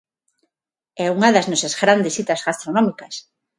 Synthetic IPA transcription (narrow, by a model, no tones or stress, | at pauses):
ɛuŋɐðɐznɔsazɣɾand̪esit̪ɐzɣast̪ɾonɔmikɐs